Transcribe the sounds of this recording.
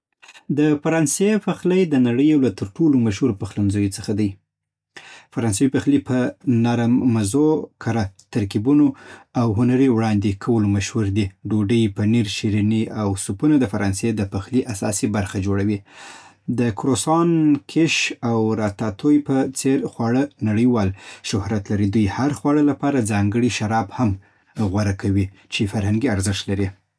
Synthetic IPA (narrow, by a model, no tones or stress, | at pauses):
d̪əfaɾɑnsefaxləjd̪ənaɽəjawlat̪əɾʈolomaʃhuɾpəxlanzojot͡səxad̪aj | faɾɑnsawipaxlipənaɾamːazokʰaɾat̪aɾkibunoawɦʊnaɾiwɽɑnd̪ekʰawəlomaʃhuɾd̪iɖoɖəjpəniɾʃiɾiniawsupunad̪əfaɾɑnsed̪əpaxliʔasɑsibaɾxad͡ʒoɽawi | d̪əkɾosɑnkʰeʃawɾɑt̪at̪ʰojpət͡seɾxwɑɽənaɽəjwɑlʃʊhɾat̪laɾid̪ujhaɾxwɑɽəlapɑɾad͡zɑŋɡəɽiʃaɾɑbham | ɣwaɾakʰawi | t͡ʃefaɾhaŋɡiaɾzɪʂt̪laɾi